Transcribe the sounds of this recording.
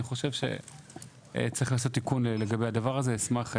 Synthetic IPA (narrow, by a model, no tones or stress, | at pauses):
iχo̞ʃevʃe̞̰ | t͡sʁiχlaːso̞t̪ːikunlle̞ɡabe̞jad̪avaʁaze̞ismaχ